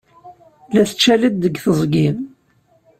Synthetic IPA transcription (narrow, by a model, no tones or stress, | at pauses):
læθət͡ʃːælid̪ːəɡθəzˤɡin